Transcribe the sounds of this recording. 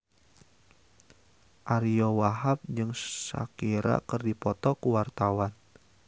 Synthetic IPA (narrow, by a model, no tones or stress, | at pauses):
ʔaɾijɔwaɦap̚d͡ʒɨŋsa̰kiɾa̰kərdipɔt̪ɔkuwart̪awan